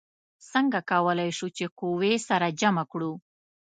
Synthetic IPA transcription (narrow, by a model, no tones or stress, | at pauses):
səŋɡakawəlajʃut͡ʃekowesaɾad͡ʒamakɽu